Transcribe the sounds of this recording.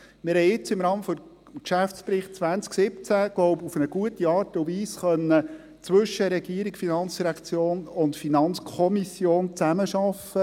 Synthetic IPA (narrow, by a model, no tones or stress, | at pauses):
mɪɾhɛɪɪt͡sɪmɾɑːməfɔ | kʃæft͡spɾɪχt̚t͡sʋænt͡sksɪpt͡sæɡ̥lɔʊbufənəɡ̥uətiɑːɾtʊʋiːsχœnːə | t͡sʋʏʃəɾɛɡiəɾikfinɑnt͡sd̥iɾækt͡sjoːnʊntfinɑnt͡skʰɔmisjoːnt͡sæməʃɑfə